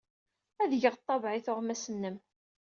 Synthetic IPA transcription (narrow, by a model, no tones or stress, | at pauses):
æðʝəʁt̪ˤːɑvʕɪθʊʁmæsənːəm